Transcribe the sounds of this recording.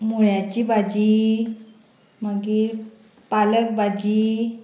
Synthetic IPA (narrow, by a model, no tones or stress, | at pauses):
muɭjat͡ɕibad͡ʑi | maɡiːɾ | palək̚bad͡ʑi